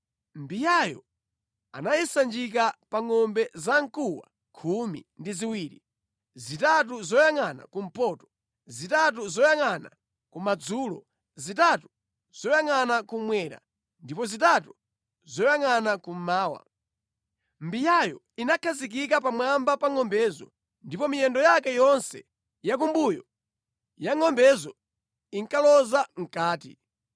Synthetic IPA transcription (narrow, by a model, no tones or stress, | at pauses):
mbijajɔ̰ | a̰najisand͡ʒik̬apaŋɔmbɛzaŋ̩kuwa̰ | kʰumḭndiziwiːɾḭ | zitat̬uzɔjaŋana̰kum̩pɔtɔ̥ | zitat̬uzɔjaŋana̰ | kumad͡zuːlɔ | zitatu | z̥ɔjaŋanakumwɛːɾa̰ | ndipɔzitatu | zɔjaŋanakum̩maːwa̰ | mbijajɔ̰ | inakʰazik̬ik̬apamwambapaŋɔmbɛzɔ̰ | ndipɔmijɛndɔjakɛjɔnsɛ | jak̬umbujɔ | jaŋɔmbɛzɔ | iŋkalɔzaŋ̩kaːtḭ